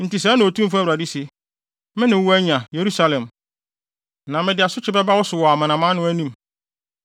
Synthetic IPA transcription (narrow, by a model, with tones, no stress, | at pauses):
n̩˨ti˨s̬ɛ˦nɪ̃˨o˨tʰũ˦m˦fʊ˦æ˦˨u˨ɾa˨di˦se˨ | mɪ̃˦nɪ̃˨˦wu˦æ˦ɲã˨je˨ɾu˦sa˦lɛ̃˨m | nã˨mɪ̃˦dɪ˨a˨sʊ˦t͡ɕʰɪ˦bɛ˦ba˦wɔ˦sʊ˨wɔ˨a˨mã˨nã˨mã˦nʊ̃˦æ˦nĩ˦˨m